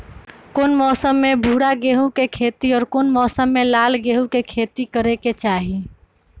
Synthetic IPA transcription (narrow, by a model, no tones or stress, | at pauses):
koːnmɔːsəmːebʱuɽaɡeːɦũkekʰeːt̪iɔːɾkoːnmɔːsəmːelaːlɡeːɦũkekʰeːt̪ikəɾeket͡ʃaːɦi